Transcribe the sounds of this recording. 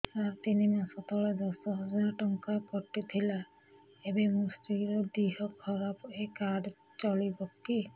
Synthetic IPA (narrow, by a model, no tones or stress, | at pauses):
aɹt̪inimasɔtɔlɛzɔsɔɦɔzaɹtɔŋkapɔtːit̪ʰila | ebɛmustiɹɔdiɦɔkʰːɔɹapekad | t͡ʃɔlibɔkːi